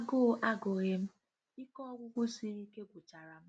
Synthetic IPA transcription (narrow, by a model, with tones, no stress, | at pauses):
ɡʊ˦˨˦ʔa˦ɡo˨ɣe˦m̩˦ | i˦kɔ˦ɡʷʊ˦ɡʷʊ˦si˦ɾi˦ke˦ɡʷʊ˨t͡ʃa˨ɾa˨m̩˦